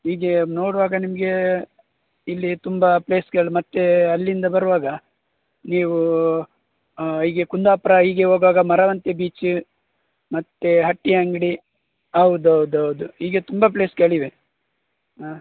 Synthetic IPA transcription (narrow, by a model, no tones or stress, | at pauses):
ɦiːɡeno̞ːɽuʋaːɡɐnimɐɡe̞ | ilːit̪umbɐpleːskeɭimɐt̪ːeɐlːind̪ɐbɐɾuʋaːɡɐ | niːʋu | ɦiːɡe̞kund̪aːpɾɐɦiːɡe̞ɦoːɡʋaːɡɐmɐɾɐʋɐnt̪ebiːt͡ʃ | mɐt̪ːeɦɐʈːiɦaŋɡɽi | ɐwud̪uɐwud̪uɦɐwud̪uɦiːɡe̞t̪umbɐp̬ɭe̞ːskeɭiʋe